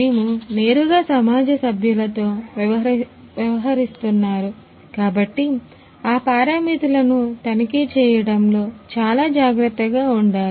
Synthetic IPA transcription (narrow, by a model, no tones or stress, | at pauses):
neːmune̞ːɾuɡaːsɐmaːd͡ʒɐsɐbʱjulɐt̪o̞ːʋjɐʋɐ | ʋjɐʋɐɦɐɾist̪unːaːɾu | kaːbɐʈːi | aːpaːɾɐmit̪ulɐnut̪ɐnikit͡ʃɛːjɐɽɐmlo̞ːt͡ʃaːlaːd͡ʒaːɡɾɐt̪ːɐɡaːuɳɖaːɾu